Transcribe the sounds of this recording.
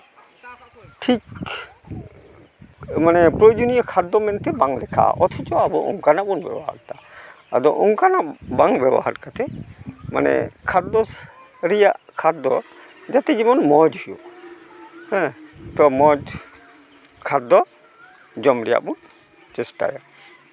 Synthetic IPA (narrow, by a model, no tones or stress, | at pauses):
ʈʰik | manɛpɾojod͡ʒonijɔkʰad̪ːɔmɛnt̪ɛbaŋlɛkʰa̰ɔt̪ʰɔt͡ʃɔabɔʔɔ̰ŋkanaʔbɔnbɛ̰bɔɦa̰ɾt̪a | a̰d̪ɔʔɔŋkanabaŋbɛbɔ̰haɾkat̪ɛma̰nɛ̰kʰad̪ɔs | ɾɛjaʔkʰad̪ɔ̰ | d͡ʒat̪ɛd͡ʒimɔnmɔd͡ʒhujɔ | hɛ̃t̪ɔmɔd͡ʒ | kʰad̪ɔ | d͡ʒɔmɾɛja̰ʔbun | t͡ʃɛsʈa̰ja